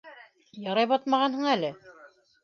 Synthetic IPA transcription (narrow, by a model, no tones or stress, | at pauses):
jɑɾɑjβɑt̪mɑʁɑnhɤɴælɘ